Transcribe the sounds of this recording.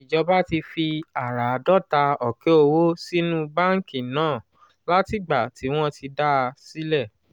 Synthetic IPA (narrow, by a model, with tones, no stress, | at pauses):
i˨d͡ʒɔ˧ba˦ti˧fi˧a˨ɾa˨˧dɔ˦˨ta˧ɔ˨ke˨˦o˧wo˦si˦nũ˦ba˦ŋ̩˦˨ki˨nãː˦˨ | la˦ti˦˨ɡ͡ba˨ti˨˦w̃ɔ̃˦ti˧da˦˧si˦lɛ˦˨